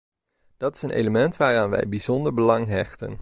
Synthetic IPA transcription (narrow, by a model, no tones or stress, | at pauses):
d̥ɑtɪ̥sənʔḛjləmɛntʋaːraːnʋɛ̰jbizɔndəɹbəlɑŋɦɛχtə̰n